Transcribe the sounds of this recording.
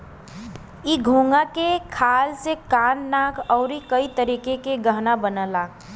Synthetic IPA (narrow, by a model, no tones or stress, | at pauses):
iɡʱõːŋɡakekʰaːlsekaːnːaːkʰɔʊɾikəit̪əɾiːkekeɡəɦnabənəlaː